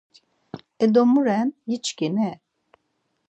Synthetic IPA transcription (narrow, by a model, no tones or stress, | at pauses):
ɛd̪omuɾɛnjit͡ʃɡenɛ